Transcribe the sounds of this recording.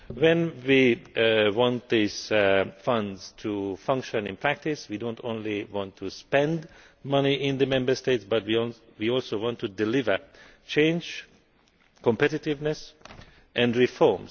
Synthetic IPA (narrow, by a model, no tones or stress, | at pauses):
wɛ̃nwi | wɑ̃nt̪̚ðizfʌ̃ndz̥tʰufʌ̃ŋkʃɨ̃nɪ̃npʰɹ̥æk̚tɪswidõʊntõnliwɑ̃ntʰːuspɛ̃nd | mʌniʔɪ̃nðɨmɛ̃mbə˞steɪtsbʌt̚wi | wiɔlˠsowɑ̃ntʰudɪlɪvə˞ | t͡ʃʰẽɪ̃nd͡ʒ | kɔ̃mpɛɾɪtɪvnɨs | ʔɛ̃nɹifɔɹm